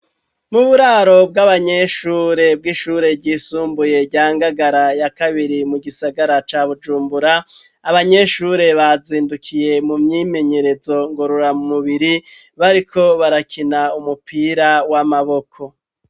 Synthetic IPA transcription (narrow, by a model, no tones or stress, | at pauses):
muβuɾaɾo̞b̚ɡaβaɲe̞ʃuːɾe̞b̚ɡiʃuːɾe̞ɟiːsuːmbuje̞ɟaːŋɡaɡaɾajakaβiɾimuɡisaɡaɾat͡ʃaːβud͡ʒuːmbuɾaː | βaɲe̞ʃuɾe̞βaziːndukʰije̞mumɲime̞ɲe̞ɾe̞zo̞ŋɡoɾoɾamumuβiɾi | βaɾikʰo̞βaɾakʰinaumupiːɾawamaβo̞kʰo̞